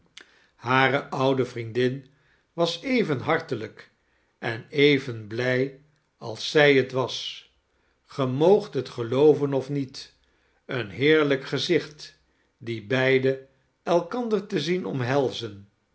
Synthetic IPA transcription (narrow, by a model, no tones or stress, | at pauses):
haːrəʔʌwdəvrindɪn | ʋɑsejvənɦɑɹtələk | ʔɛnejvənblɛj | ɑ̰lˠsɛjətʋɑs | χəmowχtɦətχəlowvənɔfnit | ənɦɪːɹləkχəzɪχt | dibɛjdə | ɛlˠkɑndəɹtəzinɔmɦɛlˠzən